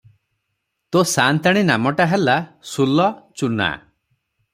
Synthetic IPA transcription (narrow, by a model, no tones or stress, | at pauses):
t̪osant̪aɽ̃inamɔʈaɦelasulɔt͡ʃuna̰